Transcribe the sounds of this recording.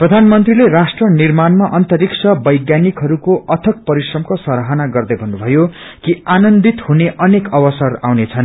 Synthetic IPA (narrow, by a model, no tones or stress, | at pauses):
prʌd̪ʱanmʌnt̪rilerasʈrʌnirmanmaʔʌnt̪ʌɾiksʰʌbʌjɡjanikɦʌɾukoʔʌt̪ʰʌk̚pʌɾisrʌmkosʌɾaɦʌnaɡʌrd̪ʌjbʱʌnːubʱʌjo | kianʌnd̪it̪huneʔʌnekʌwʌsʌrawnet͡sʰʌn